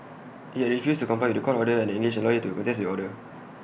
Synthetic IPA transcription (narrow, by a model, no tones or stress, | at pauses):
ʔitɹifjustukɔ̃pʰajwɪtdəkʰɔtɔdəɛ̃ndəĩŋɡliʃɛ̃nlɔjitukɔ̃ntɛs̬diɔdə